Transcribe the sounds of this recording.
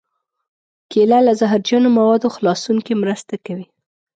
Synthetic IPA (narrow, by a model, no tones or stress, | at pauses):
kelalazaɦɾd͡ʒjɑnomawɑd̪oxlɑsuŋkemɾəst̪akawi